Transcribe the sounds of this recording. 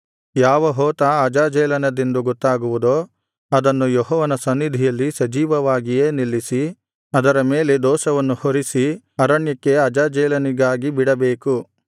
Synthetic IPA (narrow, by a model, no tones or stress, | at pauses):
jaːʋɐɦoːt̪ɐɐd͡ʒaːd͡ʒɛːlɐnɐd̪end̪uɡot̪ːaːɡuʋud̪oː | ɐd̪ɐnːujoɦɔːʋɐnɐsɐnːid̪ʱijɐlːisɐd͡ʒiːʋɐʋaːɡijeːnilːisi | ɐd̪ɐɾɐme̞ːle̞d̪ɔːsɐʋɐnːuhoɾisi | ɐɾɐɳjɐkːe̞ɐd͡ʒaːd͡ʒɛːlɐniɡaːɡibiɽɐbeːku